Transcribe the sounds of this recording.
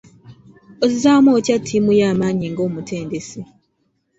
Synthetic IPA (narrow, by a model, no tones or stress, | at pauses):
ozizaːmwoːcatʰːimujaːmaːɲiŋɡo̞ːmutʰe̞ːndese